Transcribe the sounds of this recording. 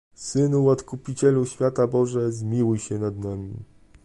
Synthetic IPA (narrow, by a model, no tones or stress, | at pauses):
sɘnuwat̪kupʲit͡ɕɛluɕfʲjat̪abɔʐɛzmʲiwujɕɛnad̪namʲi